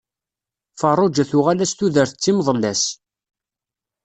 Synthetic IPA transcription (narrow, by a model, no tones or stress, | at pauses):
fərˤod͡ʒæθʊʁalæst̪uðəɾθət͡sːimðˤəlːæs